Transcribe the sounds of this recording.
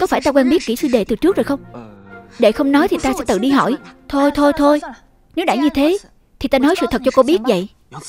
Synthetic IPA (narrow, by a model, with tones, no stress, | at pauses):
kɔ˨˦faː˧˩jt̪aː˧kwaː˧nɓi˦˥ət̚kḭ˧˩sɨ̰˧ɗe˨˩t̪ɨ˨˩t͡ɕɨ˦˥k̚zo˨˩jxə˧wŋ͡m | ɗe˧˩xə˧wŋ͡mnɔ˨˦jt̪ʰi˨˩t̪aː˧sɛ̰˧˥t̪ɨ̰˧˨ɗi˧ɦɔ̰˧˩jt̪ʰo˧jt̪ʰo˧jt̪ʰo˧j | ne˨˦wɗa̰ː˧˩jɲɨ˧t̪ʰe˨˦ | t̪ʰi˨˩t̪aː˧nɔ˨˦jsɨ̰˧˨t̪ʰə˨˩t̚t͡ɕɔ˧ko˧ɓi˦˥ət̚və̰˧˨j